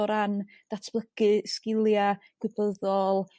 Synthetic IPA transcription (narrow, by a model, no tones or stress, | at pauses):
ɔɾan | d̥atʰb̥lˠəɡɨskɪlˠjaɡ̥wɨbəðɔlˠ